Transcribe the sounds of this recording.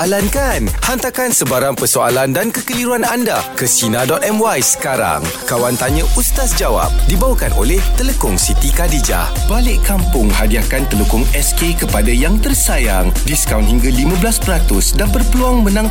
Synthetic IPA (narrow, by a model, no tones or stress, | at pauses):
ʔalankanhant̪akansəbaɾaŋpərsoa̰landankəkəliɾuanandakəsinadɔt̪ɛmwajsə̥kaɾa̰ŋkawant̪aɲə̃ʔust̪asd͡ʒawa̰p̚dibawəkanʔo̰lɛht̪ələkʊŋsit̪ikadid͡ʒa̰ | b̥alɪʔkampʊŋhadiakant̪ələkʊŋɛskekəpadajaŋt̪ərsajaŋdiskawnhiŋɡalimãblaspəɾat̪ʊsdanbərpəluaŋmə̃nãŋ